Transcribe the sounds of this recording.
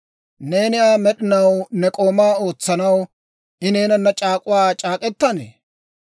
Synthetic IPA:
ne̞ːnɪjaːmɛɗɪnɐwnɛkʼo̞ːmaːo̞ːt͡sːɐnɐw | ʔɪneːnɐnːɐt͡ʃʼaːkʼʊwaːt͡ʃʼaːkʼɛt̪ːɐnḛː

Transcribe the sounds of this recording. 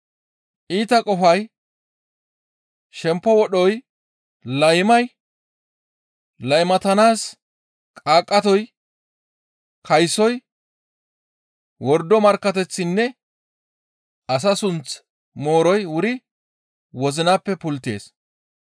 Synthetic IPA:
iːt̪ɐkʼɔfɐj | ʃɛmpːɔwɔɗɔj | lɐjmɐj | lɐjmɐt̪ɐnaːs | kʼaːkʼːɐt̪ɔj | kʰɐjsɔj | wɔɾd̪ɔmɐɾkːɐt̪ɛt͡sːɪnːɛ | ʔɐs̬ɐsʊnt͡s | moːɾɔjwʊɾɪ | wɔzɪnapːɛpʊlt̪e̞̰ːs

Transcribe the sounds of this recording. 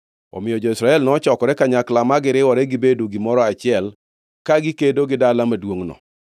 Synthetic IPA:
ɔ̰mɪjɔd͡ʒɔisɾaɛlnɔt͡ʃɔkɔɾɛkaɲaklamaɡɪɾɪwɔɾɛɡibedoɡɪmɔɾɔat͡ʃɪɛl | kaɡikedoɡɪdalamadwoŋnɔ̰

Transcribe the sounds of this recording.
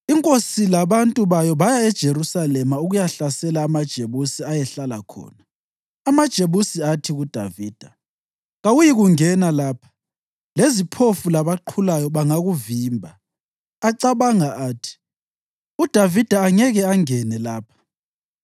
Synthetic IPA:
iŋkʼosilaβantʼuβajɔβajaɛd̥ʒ̥ʱeɾusalɛmauɣujaɬasɛlaːmad̥ʒ̥ʱeβusiajɛɬalakʰɔ̰ːnaː | mad̥ʒ̥ʱeβusiatʰiɣud̥ʱa̰viːd̥ʱa | ɣawujiɣuŋɛnalaːpʰḁ | lezipʰofulaβaǃʰulajɔβaŋaɣuviːmbʱaː | ǀaβaŋaʔaːtʰi̥ | ud̥ʱavid̥ʱaːŋɛɣɛaŋɛnɛlaːpʰḁ

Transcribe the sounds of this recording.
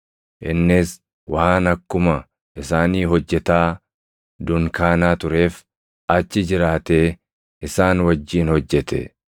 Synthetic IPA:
ʔɪnːɪs | waːnɐkːʊmɐ | ʔɪsaːniːɦɔd͡ʒːɛt̪aː | d̪ʊŋkaːnaːt̪ʊɾe̞ːf | ɐt͡ʃːɪd͡ʒɪɾaːt̪e̞ː | ɪsaːnwɐd͡ʒːiːnhɔd͡ʒːɛt̪ɛ̰

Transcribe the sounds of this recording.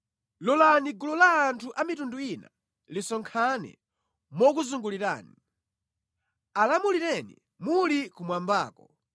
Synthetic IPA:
lɔlaniɡulɔlaːntʰuʔamitunduina̰ | lisɔŋkʰanɛ̰ | mɔkuzuŋɡuliɾa̰ːni | alamuliɾɛnḭ | mulikumwambaːkɔ

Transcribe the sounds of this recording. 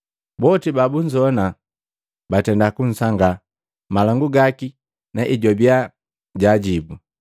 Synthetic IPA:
bɔtibabuɲd͡ʒɔna | batɛndakun̩saŋɡa | malaŋɡuɡaki | naʔiɟɔbia | ɟaɟibu

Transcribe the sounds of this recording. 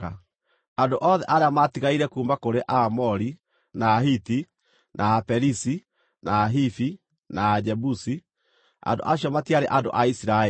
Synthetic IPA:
a | andoʔɔːðɛʔaɾeamatiɣaiɾɛkuːmbakoɾeʔamɔɾi | naːɦiti | nʔaːpɛɾisi | nʔaːɦifi | naːd͡ʒɛbusi | a̰ndo̰ʔaɕjɔmatiaɾeʔando̰ʔaisiɾa

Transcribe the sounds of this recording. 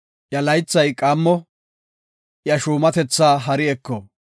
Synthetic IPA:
jɐlɐjt͡sːɐjkʼaːmːɔ | jɐʃuːmɐt̪ɛt͡sːaːɦɐɾɪɛkːɔ

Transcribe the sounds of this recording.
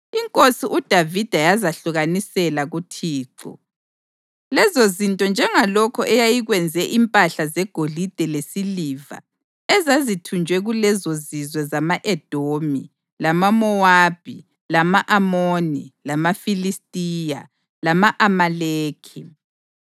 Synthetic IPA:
iŋkʼosiʔud̥ʱavid̥ʱajazaɬuɣanisɛlaɣutʰiːǁɔ̰ | lɛzozintʼɔnd͡ʒʱɛŋalɔkʰɔʔɛjajiɣwɛnd͡zʱɛʔimpʼaɬazɛɡ̥ʱolid̥ʱɛlesiliva̰ | ɛzazitʰund͡ʒʱwɛɣulɛzozizwɛzamaʔɛd̥ʱomi | lamamɔwab̥ʱi | lamaʔamonilamafilistʼija̰ | lamaʔamaleːkʰi

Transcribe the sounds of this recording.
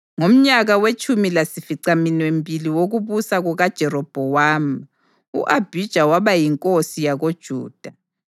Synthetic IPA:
ŋom̩ɲaɣawet͡ʃʼumilasifiǀaminwembʱʼiliwoɣuβusaɣuɣad̥ʒ̥ʱɛrɔb̥ʱɔwaːm | ṵʔab̥ʱid̥ʒ̥ʱawaβajiŋkʼosijaɣod̥ʒ̥ʱuːd̥ʱa

